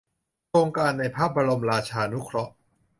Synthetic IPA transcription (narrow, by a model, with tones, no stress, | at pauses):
kʰɾoː˧ŋkaː˧nːa˧jpʰaː˥˩p̚ba˧ɾo˧mɾaː˧t͡ɕʰaː˧nu˦˥kʰɾɔ˦˥ʔ